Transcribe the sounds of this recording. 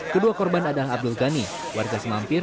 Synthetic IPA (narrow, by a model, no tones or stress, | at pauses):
kəduakɔrbanadalaɦab̚dulɡani | warɡasəmampɪr